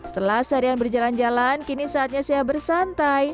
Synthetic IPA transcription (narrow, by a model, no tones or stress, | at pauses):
sə̥t̪əlahsaɾianbərd͡ʒaland͡ʒalankinisaat̪̚ɲasajabərsant̪aj